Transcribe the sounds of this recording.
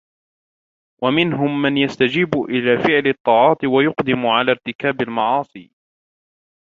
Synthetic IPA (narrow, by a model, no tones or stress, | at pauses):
wʔamɪnɦʊmːanjast̪ad͡ʒiːbʊʔɪlaːfɪʕlɨt̪ˤːɑːʕɑːt̪ˤɪwajʊqd̪ɪmʊʕalaːɾt̪ɪkaːbalmɑʕɑːsˤiː